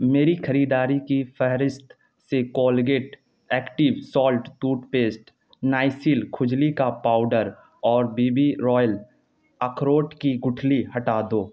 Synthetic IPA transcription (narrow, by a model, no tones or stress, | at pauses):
meːɾixʰɐɾiːd̪aːɾikifɛɦɾɪst̪ʰ | sekɔːlɡeːʈ | ɛːkʈɪʋsɔːlʈt̪uːʈpeːsʈ | naːɪsiːlkʰʊd͡ʒlikapaːʊɖəɾ | ɔːɾbiːbiɾɔːjəl | əkʰɾoːʈkiɡʊʈʰlihɐʈaːd̪oː